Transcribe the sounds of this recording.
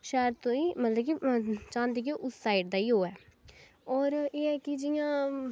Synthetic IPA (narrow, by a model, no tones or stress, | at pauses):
ʃɛːəɾt̪õːĩːmət̪ləb̚kit͡ʃãːnd̪eːk̬iʔʊsːaːiʈd̪aːiːɦoːɛː | ɔːɾeːɛːkɪd͡ʒɪjãː